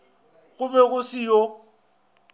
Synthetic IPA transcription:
ɣʊbɛɣʊsijo

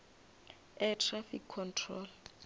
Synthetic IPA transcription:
ɛtʰrafikʰːɔntʰrɔl

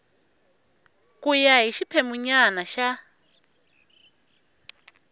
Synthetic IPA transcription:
kʼujaɦiʃipʰɛmuɲanaʃa

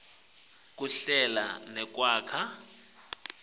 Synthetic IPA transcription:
k̬ʼuɬɛla̰nɛk̬ʼwaːkʰa

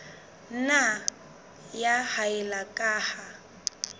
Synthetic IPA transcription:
na | jahaɛlakʼaːha

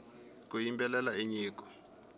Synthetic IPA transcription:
k̬ujimbɛlɛlaeɲiːk̬ʼɔ̥

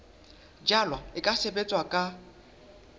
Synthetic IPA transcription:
d͡ʒalwaɪkʼasebet͡sʼwakʼa

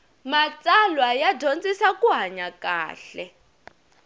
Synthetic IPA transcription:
mat͡sʼalwajadʱont͡sʼisakʼuɦaɲaka̰ːɬɛ̰

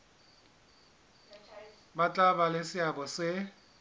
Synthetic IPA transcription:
mat͡ɬʼabalɪsɪabɔsɪ

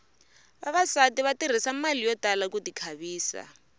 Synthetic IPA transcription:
βaβasatiβatir̤isamalijɔtalakutikʰaβiːsa̰

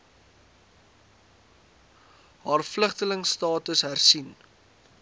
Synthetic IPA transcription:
ɦɑːrfləχtələŋstɑːtəsɦærsin

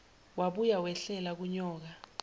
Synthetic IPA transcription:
waɓujawɛɬɛlak̬uɲɔːk̬a

